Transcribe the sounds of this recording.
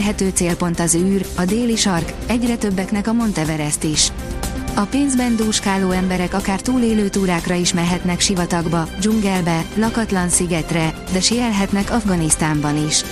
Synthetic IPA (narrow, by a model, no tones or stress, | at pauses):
ɦɛt̪øːt̪seːlpo̞n̪t̪ɒzyːrɒd̪eːliʃɒrkɛɟrɛt̪ø̞bːɛknɛkɒmo̞nt̪ɛvɛɾɛst̪iʃ | ɒpeːnzbɛnd̪uːʃkaːloːɛmbɛɾɛkɒkaːrt̪uːleːløːt̪uːɾaːkrɒiʃmɛrɦɛt̪nɛkʃivɒt̪ɒɡbɒd͡ʒuŋɡɛlbɛlɒkɒt̪lɒnsiɡɛt̪rɛ | d̪ɛʃiɛlɦɛt̪nɛkɒvɡɒnist̪aːmbɒniʃ